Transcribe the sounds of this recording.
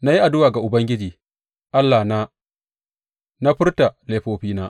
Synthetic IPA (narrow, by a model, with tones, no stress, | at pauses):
na˦ji˦ʔa˨dʊ˦waː˨ɡa˨ʔʊ˨bɐ˦ŋɡʲɪ˦d͡ʒiː˨ | ʔa˦lːa˨na˦ | na˦ɸɪ˦rta˨leː˦ɸoː˦ɸiː˦naː˦ʔ